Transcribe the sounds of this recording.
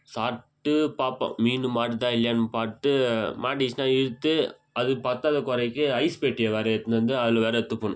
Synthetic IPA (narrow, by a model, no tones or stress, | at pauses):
saːɾʈ̪ːɯpaːpã̰miːnɯmaːʈɯt̪aːɪlːjanɯpaːɾt̪ːɯmaːʈit͡ʃnaːɪɾɯt̪ːɯ | ɐðɯpɐɾt̪ːaːðɐkɔɾɐɪkːɯɐɪspeːʈːɪjɐʋeːɾɐɛt̪ːɯnd̪ɐnd̪ɯɐðɪlɐʋeːɾɐɛt̪ːɯpːoːnʊ̃